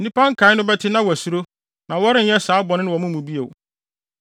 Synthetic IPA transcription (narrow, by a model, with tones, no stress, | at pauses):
n̩˨nĩ˦pʰã˦ŋ̩˦kʰã˨˦ɪ˦nʊ̃˦bɛ˦tʰɪ˦nã˦wɔ˨æ˨su˨ɾo˦ | nã˨wɔ˦ɾɪ̃˦n̩˦ɲɛ̃˦saː˨˦bɔ˨nɪ̃˦nɪ̃˦wɔ˨mʊ̃˦mũ˨bi˦e˨w